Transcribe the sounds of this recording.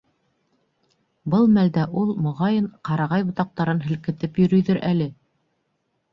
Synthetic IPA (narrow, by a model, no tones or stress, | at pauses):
bɤlˠmæld̪æʔulˠmŏʁɑjɤɴqɑɾɑʁɑjbŏt̪ɑq̚t̪ɑɾɤnɦɘ̆lkɘ̆t̪ɘpjɵ̆ɾɵ̆jðɵɾʔælɘ